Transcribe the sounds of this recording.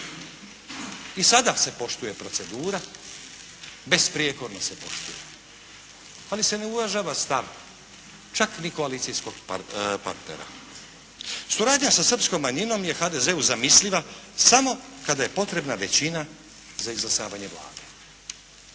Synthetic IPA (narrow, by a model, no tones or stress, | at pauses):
isad̪ase̞po̞ʃt̪uje̞pɾo̞t̪se̞d̪uːɾa | be̞spɾieko̞ɾnose̞po̞̰ʃt̪uje | alise̞ne̞uvaʒaːʋast̪aʋ | t͡ʃaknikoaliːt̪sijsko̞ɡpa̰ɾt̪nḛɾa̰ | suɾaːd̪ɲasasr̩psko̞mːaɲino̞mje̞xad̪e̞ze̞uzamisliʋasamo̞kad̪aje̞po̞t̪ɾe̞bnaʋe̞t͡ɕina | zaizlˠasaːʋaɲe̞bla̰ːd̪e̞